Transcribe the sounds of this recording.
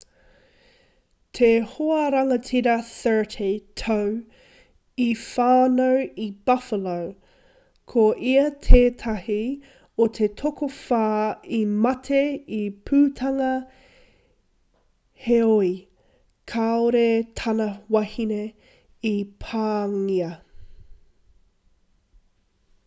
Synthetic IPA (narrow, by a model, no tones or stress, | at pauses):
t̪ʰehoɐɾɐŋɐtʰiɾɐθɜ˞tʰetʰow | ifaːnowib̥ɐfəlow | kʰoʔiɐt̪ʰeːt̪ʰɐhi | ot̪ʰe̞t̪ʰokofaːimɐt̪ʰeipʰʉːt̪ʰɐŋɐ | heoi | kʰaoɾet̪ʰɐnɐwɐhine | ipʰaːŋiɐ